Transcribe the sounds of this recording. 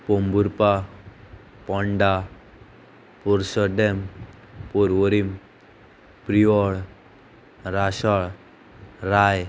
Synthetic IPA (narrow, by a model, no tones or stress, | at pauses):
pombuɾpa | pɔɳɖa | poɾsɔɖem | poɾʋɔɾim | pɾiʋɔɭ | ɾasaɭ | ɾaj